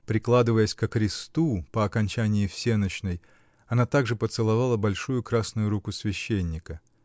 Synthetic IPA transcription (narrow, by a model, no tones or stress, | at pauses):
pɾʲɪklˠad̪ɨvəjəsʲkəkɾʲɪst̪upəɐkɐnʲt͡ɕænʲɪjɪfsʲenət͡ɕnəj | ɐnat̪aɡʐɨpət̪sɨlˠɐvalˠəbɐlʲʂujʊkɾasnʊjʊɾukʊsʲvʲɪɕːenʲːɪkə